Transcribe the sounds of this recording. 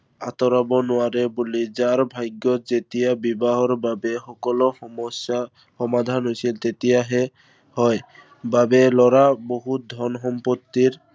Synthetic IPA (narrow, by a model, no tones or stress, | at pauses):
at̪ɔɾabɔnʊaɾebulid͡ʒaɾbʱajɡjɔzet̪ijabibaɦɔɹbabexɔkɔlɔsa | hɔmad̪ʱanɦojsʰilt̪et̪ijaɦe | hɔj | babelɔɾaboɦud̪ʱɔnɦɔmpot̪ːiɾ